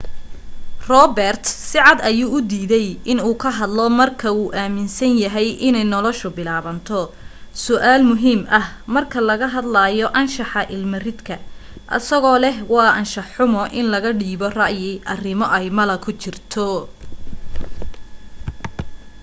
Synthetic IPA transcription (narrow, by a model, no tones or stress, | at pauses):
rɔbɛrt̪sɪʕɑd̪ɐjuːʊd̪iːðɛjɪnuːkʰɐɦɐd̪lɔmɐrkʰɐuːʔaːmɪnsɐnjɐɦɛjʔɪnɛjnɔlɔʃʊbɪlaːβɐnt̪ʰɔ | sʊʔaːlmʊɦiːmɐh | mɐrkʰɐlɐɣɐɦɐd̪laːjɔʔɐnʃɑħɑʔɪlmɐrɪd̪kʰɐ | ʔɐ̰sɐɣɔːlɛɦwɑːʔɐnʃɑħʊmɔʔɪnlɐɣɐɖiːβɔrɑʔjɪʔɐrɪmɔʔɛjmɐlɐkʰʊt͡ʃɪrt̪ʰɔ